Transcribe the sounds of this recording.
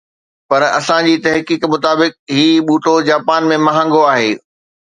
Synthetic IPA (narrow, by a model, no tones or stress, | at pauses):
pɐɾɐ̰sãd͡ʑiːt̪ɐɦkiːkmʊt̪aːbɪk̚ɦiːɓuːʈod͡ʑaːpaːnmẽmɐɦə̃ŋɡoaːɦeː